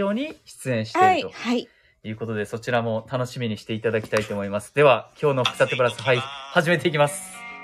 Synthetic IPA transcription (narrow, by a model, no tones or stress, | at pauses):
o̞ːɲ̟iɕi̥t͡sɨẽ̞ɰ̃ɕi̥ait̪o̞hai | jɯ̟ːko̞t̪o̞d̪e̞so̞t͡ɕiɾamo̞t̪ano̞ɕimʲiɲ̟iɕi̥t̪e̞it̪ad̪akʲi̥t̪ait̪o̞ːmo̞imasɨ̥d̪e̞βakʲʰo̞ːno̞ɸɯ̥kɯ̥sat̪ebɯɾasɨɦaihaʑime̞t̪e̞ikʲimasɨ̥